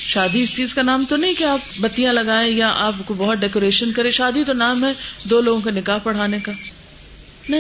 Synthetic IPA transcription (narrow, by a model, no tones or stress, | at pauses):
ʃaːd̪iɪst͡ʃiːzkanaːmt̪onɐɦĩkeaːp̚bɐt̪ijãlɐɡaːẽjaʔaːpkobɔɦʊt̪̚ɖɛːkoːɾeːʃənkɐɾẽʃaːd̪it̪onaːmɦɛd̪oːloːɡõk̬enɪkaːɦpɐɽ̤aːnekaː | nɐɦ